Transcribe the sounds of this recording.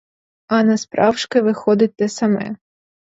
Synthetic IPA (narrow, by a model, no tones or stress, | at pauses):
ɐnɐspɾʔɑwʃkɪʋɪxɔd̪ɪt̪ːɛsɐmɛ̰